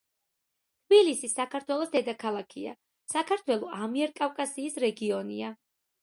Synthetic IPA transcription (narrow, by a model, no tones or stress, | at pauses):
t̪ʰbilisisakʰaɾt̪ʰwɛlˠɔsd̪ɛd̪akʰalˠakʰia̰ | sakʰaɾt̪ʰwɛlˠɔʔamiɛɾkʼafkʼasiːsɾɛɡiɔnia